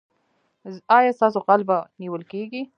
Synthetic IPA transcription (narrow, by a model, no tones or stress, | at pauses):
ɑjɑst̪ɑsoqɑlbaniwəlkeɡi